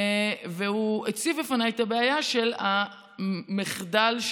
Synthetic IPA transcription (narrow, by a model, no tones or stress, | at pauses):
vehuet͡sivlefanajet̪abeajaʃela | miχdalʃ